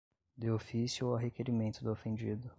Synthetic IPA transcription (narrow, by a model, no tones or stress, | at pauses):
d̪ɪofisjʊoaɦekeɾimẽnt̪ʊd̪ʊofẽnd͡ʒid̪ʊ